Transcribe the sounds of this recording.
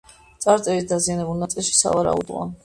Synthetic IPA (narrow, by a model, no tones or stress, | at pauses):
t̪sʼaɾt̪sʼɛvisd̪azianɛbulˠnat̪sʼilˠʃi̥sa̰vaɾa̰ṵd̪ʁɔ̰